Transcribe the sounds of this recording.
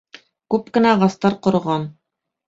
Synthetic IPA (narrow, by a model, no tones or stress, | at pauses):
kʉpkɘ̆næʁɑst̪ɑɾqŏɾɤ̆ʁɑn